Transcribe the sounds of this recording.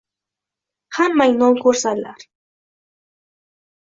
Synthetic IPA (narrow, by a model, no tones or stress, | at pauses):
hamːajnoŋkʊɾsala̰ɾ